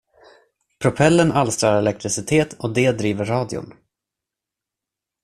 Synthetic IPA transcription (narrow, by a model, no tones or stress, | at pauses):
pʰɾʊpʰɛlːənalst̪ɾɑːɾaɾɛlɛk̚t̪ɾɪsɪt̪ʰeːt̪ʰɔd̪eːd̪ɾiːvəɾːɑːd̪ɪʊ̰n